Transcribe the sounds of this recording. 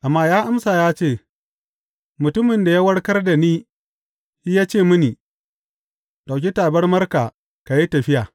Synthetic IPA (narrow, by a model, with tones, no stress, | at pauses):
ʔa˨mːaː˦jaː˦ʔa˦msa˨jaː˦t͡ʃeː˦˨ | mʊ˨tʊ˦mɪ˨nda˨jaː˦wɐ˦ɽkɐ˦rda˨niː˦ | i˦jaː˦t͡ʃeː˦˨mʊ˦ni˨ | ɗa˨wk̬ʲi˦taː˨bɐ˦rmɐ˦rka˨ | ka˨ji˦tɐ˨ɸɪ˦jaː˨